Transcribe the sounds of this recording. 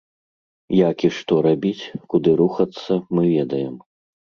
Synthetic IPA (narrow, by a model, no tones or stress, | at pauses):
jakiʂt̪ɔɾabʲit͡sʲkud̪ɨɾuxɐt̪sːɐmɨvʲɛd̪ɐjɛm